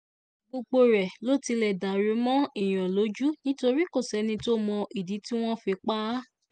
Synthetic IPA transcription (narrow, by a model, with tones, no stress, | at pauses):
ɡ͡bo˧ɡ͡bo˧ɾɛ˨lo˦˨ti˧lɛ˨da˨ɾe˨˦mɔ̃˦i˦˨j̃ɔ̃˨lo˨˦d͡ʒu˦nĩ˦to˧ɾi˦ko˦˨sɛ˨˦nĩ˧to˦mɔ̃˧ʔi˨di˨˦ti˦w̃ɔ̃˦fe˧k͡pa˦